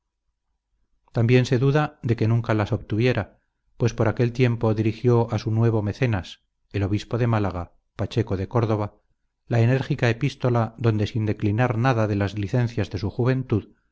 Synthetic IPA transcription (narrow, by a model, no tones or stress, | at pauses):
t̪ambje̞nse̞ðuðad̪e̞ke̞nũŋkalaso̞βt̪uβje̞ɾʔa | pwe̞spo̞ɾake̞lt̪je̞mpo̞ðiɾixjo̞ʔasunwe̞β̞o̞me̞θe̞nas | e̞lo̞βispo̞ðe̞malaɣ̞a | pat͡ʃe̞koðe̞ko̞ɾð̞o̞β̞a | lae̞ne̞ɾxikae̞pist̪o̞laðo̞nd̪e̞sind̪e̞klinaɾnaðaðe̞lazliθe̞n̟θjazðe̞suxuβ̞e̞nt̪uð